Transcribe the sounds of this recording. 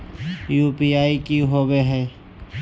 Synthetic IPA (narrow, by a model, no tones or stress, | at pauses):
juːpiaːikiɦoːbeɦɛː